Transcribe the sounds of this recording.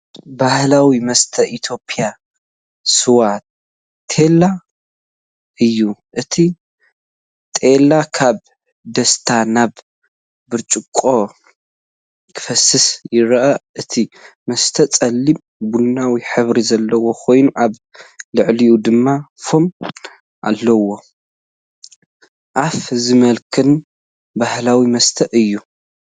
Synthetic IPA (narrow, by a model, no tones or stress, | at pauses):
bahlawimɐst̪ʰɐʔit̪ʰjo̞pʼija | sɨwat̪̚ʰː | e̞la | ɨjːuʔɨt̪ʰi | t̪ʼelːakʰaβ | d̪ɐst̪ʰanaβ | bɨɾt͡ʃʼɨkʼːo̞ | kʰɨ̥fɐsɨsjɪɾɐʔɐʔɨt̪ʰimɐst̪ʰɐt͡sʼɐlːim | bunːawiħɨβɾizɐlːɐwo̞kʰo̞jnuʔaβ | lɨʕliud̪ɨmːafo̞m | ʔa̰lːɐwo̞ | ʔafzɨmɐlkʰɨn | bahlawimɐst̪ʰɐʔɨjːu